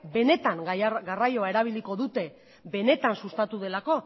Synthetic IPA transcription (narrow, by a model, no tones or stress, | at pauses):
be̞ne̞t̪aŋɡarajo̞ae̞ɾaβ̞iliko̞ðut̪e̞ | be̞ne̞t̪ansust̪at̪uð̞e̞lako̞